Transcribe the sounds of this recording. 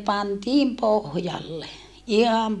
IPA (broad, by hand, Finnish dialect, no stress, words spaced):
pɑntiːm pohjɑlːe ihɑm